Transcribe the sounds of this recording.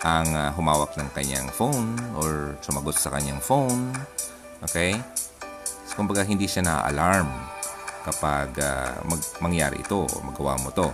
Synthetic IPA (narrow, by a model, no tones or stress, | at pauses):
ʔɐŋaɦʊmaːwɐk̚nɐŋkɐɲa̰ŋfownʔoɹsʊmɐɡot̪̚sɐkɐɲːaŋfown | ʔoːkɛj | sokʊmbɐɡaɦɪnd̪iʃanɐʔa̰ʔɐ̰laɹmkɐpaɡa̰mɐɡmɐŋja̰ːɾɪ̰ʔɪ̰t̪o̞ʔo̰mɐɡɐwa̰mot̪o̞